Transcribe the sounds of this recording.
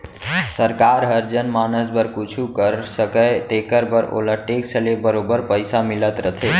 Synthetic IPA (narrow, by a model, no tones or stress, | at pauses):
səɾkaɾɦəɾd͡ʒənmanəsbəɾkut͡ʃʰukəɾsəkət̪ekəɾbəɾo̰ləʈeksəlebəɾobəɾpəɪsamilət̪ɾət̪ʰe